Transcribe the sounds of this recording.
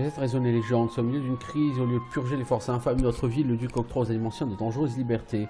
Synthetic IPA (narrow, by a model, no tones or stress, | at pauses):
ət̪ɛt̪ʁezɔneleʒɑ̃d̪sɔmiljød̪ynkχizoljød̪əpʰyʁʒelefɔʁsɛ̃famd̪d̪ənɔt̪χəvilːəd̪ykɔk̚t̪χozanimɑ̃sjɛ̃d̪əd̪ɑ̃ʒʁøzlibɛʁt̪ʰe